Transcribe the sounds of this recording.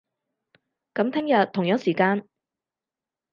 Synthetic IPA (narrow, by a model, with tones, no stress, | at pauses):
kɐ˨˥mt̪ʰɛ˥ŋjɐ˨tt̪ʰːʊ˨˩ŋjœː˨˥ŋsiː˨˩kaː˧n